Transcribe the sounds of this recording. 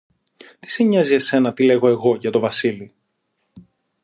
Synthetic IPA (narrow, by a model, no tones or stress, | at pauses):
t̪i̥siɲɐzie̞se̞nɐt̪ile̞ɣo̞e̞ɣo̞ʝɐt̪o̞vɐsili